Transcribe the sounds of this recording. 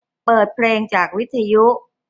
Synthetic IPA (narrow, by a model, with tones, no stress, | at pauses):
pɤː˨˩t̪̚pʰleː˧ŋt͡ɕaː˨˩k̚wi˦˥t̪ʰːa˧ju˦˥